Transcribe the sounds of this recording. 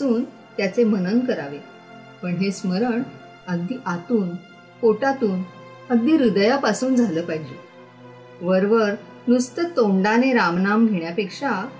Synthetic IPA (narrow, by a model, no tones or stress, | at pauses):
uːn | t̪jat͡semənənkəɾaʋe | pəɳɦesməɾəɳ | əɡ̚d̪iːʔat̪uːn | koʈat̪uːn | əɡ̚d̪iːɾud̪japasuːnd͡zʱaləːpaɦid͡ʑe | ʋəɾʋəɾ | nust̪ət̪oɳɖaneɾamnamɡʱeɳjapekʂa